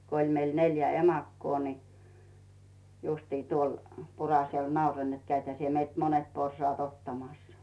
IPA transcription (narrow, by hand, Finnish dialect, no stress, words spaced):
ko ilʲ meil neljæ emɑkːoː ni justiː tuol purɑsel nɑuroĭn net kæithæ sie meilt monet porsŏɑˑt otːɑmɑsːɑ̥